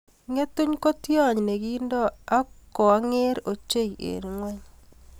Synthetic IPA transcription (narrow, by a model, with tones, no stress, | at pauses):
ŋe˦tʊ˦ɲko˦tjɔ˦˨ɲne˨ɡi˦ndɔ˦a˦kɔ˨a˦ŋe˦ɾo˨t͡ʃe˦i˨ʔḛ˨ɾŋwɛ˦ɲ